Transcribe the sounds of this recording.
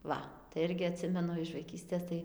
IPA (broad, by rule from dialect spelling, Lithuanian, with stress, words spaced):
ˈʋɐ tɐɪ ˈɪrʲɡʲɪ ɐˈtʲsʲɪmʲɛnʊ ɪʃ ʋɐɪˈkʲiːsʲtʲeːs ˈtɐɪ